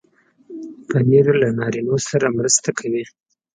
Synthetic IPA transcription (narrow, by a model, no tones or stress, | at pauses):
pəneɾolanɑɾinosaɾamɾəst̪akʰawi